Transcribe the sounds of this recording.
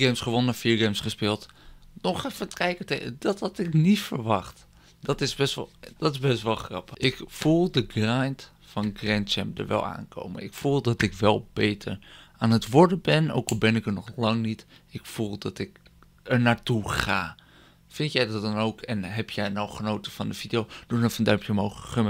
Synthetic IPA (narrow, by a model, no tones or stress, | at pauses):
ɡemsχəʋonəəfiːɹɡemsχəspɪːlˠtnɔxɛfəkɛjkəteədɔthɔtɪknitfərʋɑxt | dɔtɪsbɛstd̥ɔtɪzbɛstʋɔlˠxrɑ̰pəɪkfulˠdəɡrajnt | fɔnɡrɛnt͡ʃɛ̰mpdə̰ɹʋɛ̰lˠa̰ːnkʰo̰wmə̰nɪkfulˠdɔtɪkʋɛlˠbejtʰəɹaːnətʋʊɹdəbɛno̰wkɔlˠbɛnɪkəɹnɔχlɑŋnit | ɪkfulˠdɑtɪk | ɛɹnaːɹtuχa̰ː | fɪntjɛjdɑt̚dɑnowkʰɛnɦɛpjɛjnɔwχənowtəfɑndəfidijowduəfəndœmpʰjəmɦowxəχəmə